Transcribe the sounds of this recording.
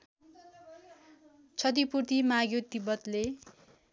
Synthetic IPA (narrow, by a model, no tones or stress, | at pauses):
t͡sʰʌd̪ipurt̪imaɡjot̪ibʌt̪le